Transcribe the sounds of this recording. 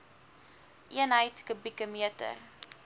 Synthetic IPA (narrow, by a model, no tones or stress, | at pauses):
ʔiənɦəjtkəbikəmiətə̰r